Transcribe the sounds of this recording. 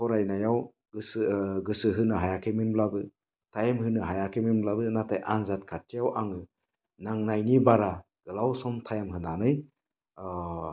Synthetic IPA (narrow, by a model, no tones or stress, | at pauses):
pʰɔɾajnajaw | ɡɯsɡɯsɯɦɯnɯɦajakʰeminblabɯ | tʰajmhɯnɯɦajakʰeminblabɯnatajʔanzat̚kʰat̚ːijawʔaŋɯ | naŋnajnibaɾa | ɡ̥ɯlawsɔmtʰajmɦɯnanɯj